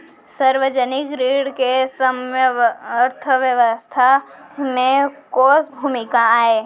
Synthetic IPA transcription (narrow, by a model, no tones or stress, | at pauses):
səɾʋəd͡ʒənɪkɾiːɽkesəmjəəɾt̪ʰəʋjəʋəst̪ʰa | mẽkoːsbʱuːmɪkaaːeː